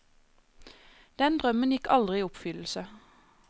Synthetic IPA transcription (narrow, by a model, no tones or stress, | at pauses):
d̪̥ɛnd̪ʁœmənjɪkʰɑld̪ʁɪiːʊpfʏll̩sə